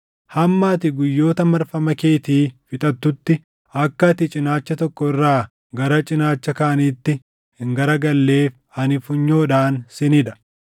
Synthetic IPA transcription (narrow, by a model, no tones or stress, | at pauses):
hɐmːaːt̪ɪɡʊjːo̞ːt̪ɐmɐɾfɐmɐke̞ːt̪iːfɪt̪ʼɐt̪ːʊt̪ːɪ | ɐkːɐt̪ɪt͡ʃʼɪnaːt͡ʃːɐt̪ɔkːɔɪrːaː | ɡɐɾɐt͡ʃʼɪnaːt͡ʃːɐkaːɐniːt̪ːɪ | hɪŋɡɐɾɐɡɐlːe̞ːf | ɐnɪfʊɲːo̞ːᶑaːnsɛnɪᶑ̪ɐ̥